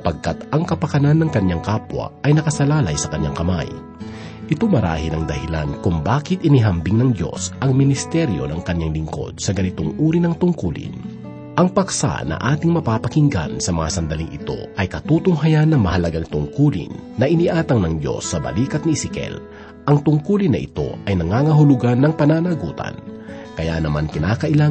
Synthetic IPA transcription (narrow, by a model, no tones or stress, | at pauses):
sɐpɐɡ̚kat̪ʔɐŋkɐpɐkɐnanːɐŋkɐɲːaŋkaːpwɐ̰ɐjnɐkɐsɐlaːlɐjsɐkɐɲːaŋkɐma̰j | ʔɪt̪omɐɾa̰ːhɪnɐŋd̪ɐhɪla̰nkʊŋbaːkɪt̪̚ʔɪniɦɐmbɪŋnɐŋd̪jo̞̰sʔɐŋmɪnɪst̪ɛɾjo̞̰nɐŋkɐɲːaŋlɪŋko̞̰d̪̥̚sɐɡɐnɪt̪oŋʔuːɾinɐŋt̪ʊŋkuːlɪ̰n | ʔɐŋpɐksa̰nɐ̰ʔaːt̪ɪŋmɐpapɐkɪŋɡa̰nsɐmɐŋa̰sɐnd̪ɐliŋʔɪ̰t̪o̞̰ʔɐjkɐt̪uːt̪ʊŋɦɐjanːɐmɐhɐlɐɡaŋt̪ʊŋkuːlɪ̰nːɐʔɪniʔaːt̪ɐŋnɐŋd̪jo̞̰sːɐbɐ̰liːkɐt̪̚nisɪkɛ̰l | ʔɐŋt̪ʊŋkuːlɪnːɐʔɪ̰t̪o̞̰ʔʔɐjnɐŋaːŋɐɦʊlʊɡanːɐŋpɐnaːnɐɡṵːt̪ɐ̰n | kɐja̰nɐmankɪnaːkɐʔɪla